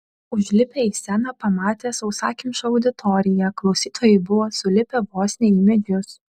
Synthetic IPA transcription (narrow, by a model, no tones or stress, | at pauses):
ʊʒʲlʲɪpʲeiːsʲænɐpɐmɑːt̪ʲeːsɐʊsɑːkʲɪmʲʃɐɐʊd̪ʲɪt̪ʰɔɾʲɪjɛklˠɒʊsʲiːt̪oːjɛɪbʊʋoːsʊlʲɪpʲɛboːsʲnʲeimʲɛd̪ʲjʊs